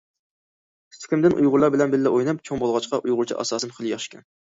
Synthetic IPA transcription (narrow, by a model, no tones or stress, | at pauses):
st̪ʰɪ̥kʲɪmd̪ɪnʔṵjʁʊɾlˠɑɾbɪlɛnbɪlːɛʔojnɛp̚t͡ʃʰoŋbolˠʁɑt͡ʃqɑʔujʁʊɾt͡ʃʰḭʔɑ̰sɑːsɨmχəlˠjɑχʃkʲʰɛn